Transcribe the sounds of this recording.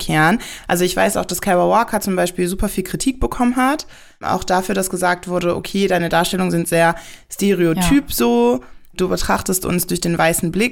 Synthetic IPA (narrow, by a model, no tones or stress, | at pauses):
kʰɛːɐnʔalzoɪçv̥a̰ɪsa̰ʊxd̥askʰɛbɐwaːkʰɐt͡sʊmbaɪʃpiːlzuːpɐfiːlkʁ̥itʰiːk̚b̥əkʰɔmənɦat | ʔa̰ʊxd̥afyːɐdasɡ̥əzaːk̚tv̥ʊɐdəʔo̰kʰeːdaɪnədaːɐʃtɛlʊŋnzɪntz̥eːɐsteʁeotʰyːpz̥oːd̥uːbətʁ̥aχtəstʔʊ̰nsd̥ʊɐçd̥eːnvaɪsn̩blɪk